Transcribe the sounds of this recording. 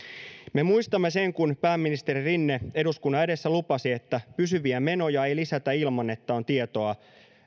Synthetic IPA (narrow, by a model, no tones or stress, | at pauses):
me̞muist̪ɑmːese̞ŋkunpæːmːinist̪e̞ɾirinːee̞duskunːɑede̞sːælupɑsiet̪ːæpysyʋiæme̞no̞jɑe̞jlisæt̪æilmɑnːe̞t̪ːɑont̪iet̪o̞ɑ